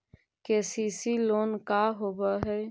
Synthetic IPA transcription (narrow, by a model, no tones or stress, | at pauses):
keːsiːsiloːnkaɦoːbaɦɛː